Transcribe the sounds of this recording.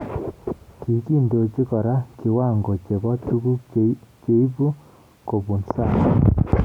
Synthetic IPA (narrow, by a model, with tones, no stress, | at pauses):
ki˨ki˦˨ndo˨t͡ʃi˦kɔ˨ɾa˦ki˨wa˦˨ŋɡo˨t͡ʃe˨bɔ˦tu˦ku˦k̚t͡ʃe˨i˦pu˦ | ko˨pu˨nsa˦˨